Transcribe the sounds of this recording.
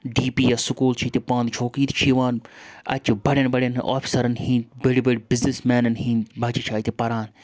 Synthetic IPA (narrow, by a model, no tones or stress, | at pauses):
ɖiːpiːjasukuːlt͡ʃʰit̪ipãːnd̪t͡ʃʰoːkiːt̪ʰt͡ʃʰiʋaːnɐ̰t͡ʃibɐɽʲɐnbɐɽʲɐn̰ʔa̰ːpʰi̥sɐɾɐnhĩbeɽibeɽibiznismɛːnɐnɦĩbʱɐt͡ʃit͡ʃʰaːit̪ipɐɾaːn